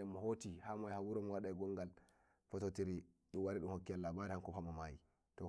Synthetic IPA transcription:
ɛmːɔhotihamɔjhawuɾɔmɔwaɗajɡɔŋɡal | fɔtotiɾiɗumwaɾiɗumhokːialːabaɾihankɔpamamaji | tɔ

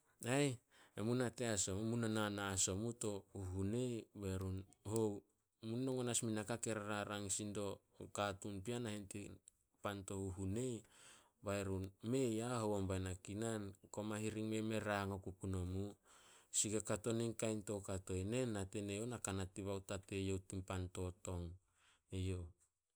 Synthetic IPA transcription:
aj | emunate̞asomumunananaːso̞muto̞huɦune̞jbaɾunhow | munnoŋonasminakake̞ɾaɾaɾaŋsindo̞ | katunpianahenti | panto̞huɦune̞j | baeɾunme̞jahowombajnakinanko̞maɦiɾiŋme̞me̞ɾaŋokukuno̞musiɡekato̞niŋkajnto̞kato̞ene̞natenejonakanatiβawtate̞jo̞wtimpanto̞to̞ŋ | ejo

